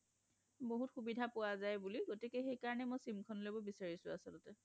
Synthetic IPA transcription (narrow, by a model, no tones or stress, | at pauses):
boɦutxubidʱapʊwazajbuliɡotikɛxejkaɹɔnɛmɔjsimkʰɔnlojbɔbisaɹisʊasɔlɔtɛ